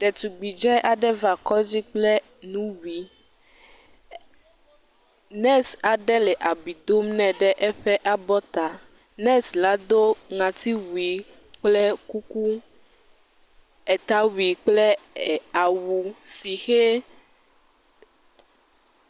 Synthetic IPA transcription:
ɖɛ˨t̪u˨ɡ͡bi˨d͡ʒɛ˦ʔa˨ɖɛ˦va˨kɔ˦d͡ʑi˦k͡plɛ˦ | nũ˦wi˨ | nɛ̃˦sa˨ɖɛ˦lɛ˨ʔa˨bi˨d̪o˦mnɛ̃˨ɖɛ˦ʔɛ˦ɸɛ˦ʔa˦bɔ˦t̪a˨ | nɛ̃˦sla˨d̪o˦ŋã˨t̪i˦wu˨i˨ | k͡plɛ˦ku˦ku˦ | ɛ˨t̪a˦wu˨i˨k͡plɛ˦˨a˨wu˨si˨xe˦

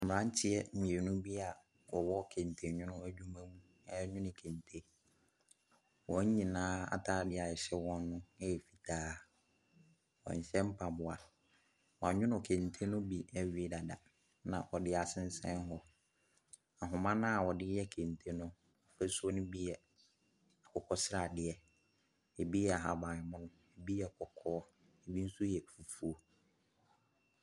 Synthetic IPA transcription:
m̩˨ɾã˦ɲ˦t͡ɕʰɪ˦ɛ˦ɲ̩˨ɲ˨e˨nũ˦bi˦a˨ | wɔ˨wɔ˦kʰẽ˨n˨tʰe˨ɲʊ̃˦nʊ̃˦æ˨d͡ʑᶣu˦mã˦mũ˦ | ɛ˦ɲʊ̃˦nɪ̃˨kʰẽ˨ntʰe˦ | wɔ̃˨˦ɲ˦ɲĩ˨nãː˦a̰˨tʰaː˦dɪ˦a˨ɛ˨ɕɛ˦wɔ̃˦nː˦ʊ̃˦ɛ˦jɛ˨fi̥˨tʰaː˦ | wɔ̰̃˨ɲ̩˨ɕɛ̃˦m̩˦pʰa˨bʊ˨a˨ | wã˨ɲʊ̃˦nʊ̃˨kʰẽ˨ntʰe˦nʊ̃˦bi˨ɛ˨ɥi˨˦e˦da˨da˨ | nã̰˨ʔɔ˨dɪ˦a˨sɪ̃˦n˦sɛ̰̃˦n˦ɦɔ˦ | a˨ɦʊ̃˨mã˦nã˦˨wɔ˨dɪ˦ɛ˦kʰẽ˨n˨tʰe˦nʊ̃˦ | ɔ˨fɛ˦su˦ɔ˦nʊ̃˦bi˦jɛ˨ | a˨kʰɔ˨kʰɔ˦sɪ˦ɾa˨dɪ˨˦ɛ˦ | e˨bi˦ɛ˦a˨ɦa˨bã˨ɪ˨mʊ̃˦nʊ̃˦ | e˨bi˦ɛ˦˨kʰɔ˨kʰɔː˦ | e˨bi˦n̩˦su˦jɛ˨fu˨fu˦o˦

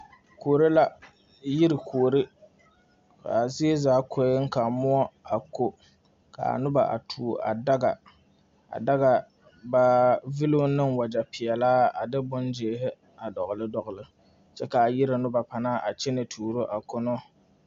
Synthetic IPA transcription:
koː˨ɾɪ˦la˦ | jɪ˦ɾɪ˨kʰoː˨ɾɪ˦ | ka̰˨zɪ˦e˦zaː˦kʰo˦ɪ˦ŋ̩˦ka˨mʊ˦ɔ˦a˨ko˦ | ka̰˨a̰˨nʊ˦ba˨ʔa̰˨tʰuː˨a̰˨da˦ɡa˨ | a̰˨da˦ɣa˨ | ba˦vɪ˦lo˦nɨ˦ŋwa˨d͡ʒa˨pɪ˨ɛ˨laː˦a˨dɨ˦bʊ˦nd͡ʒe˨hɪ˦ | a˨dɔ˨ɣʊ˨lɨ˦dɔ˨ɣʊ˨lɨ˦ | t͡ʃɛ˦ka˨jɪ˦ɾɪ˨nʊ˦ba˨pa˨na˦ʔa˨t͡ʃɛ˦ne˨tʰuː˨ɾo˦ʔa˨ko˦no˦

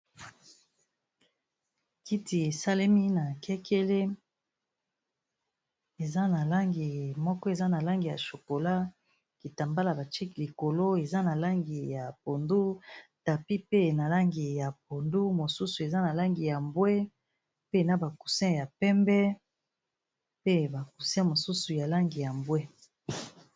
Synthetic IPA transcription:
ki˦ti˨e˨sa˦le˦mi˦na˨kʰɛ˦kʰe˦le˦ | e˨za˦na˨la˦ŋɡi˨mɔ˦kɔ˦e˨za˦na˨la˦ŋɡi˨ja̰˨ʃo˨ko˨la˦ | ki˨ta˨mba˦la˨ba˨t͡ʃi˦ki˨li˨ko˨lo˦e˨za˦na˨la˦ŋɡi˨ja˨po˨ndu˦ta˨pi˦pe˦˨na˨la˦ŋɡi˨ja˨p̚o˨ndu˦mo˨su˦su˨e˨za˦na˨la˦ŋɡi˨ja˨mbwe˦ | pe˦˨na˦ba˨ku˨sɛ̃˦ja˨pɛ˦mbɛ˦ | pe˦ba˨ku̥˨sɛ̃˦mo˨su˦su˨ja˨la˦ŋɡi˨ja˨mbwe˦

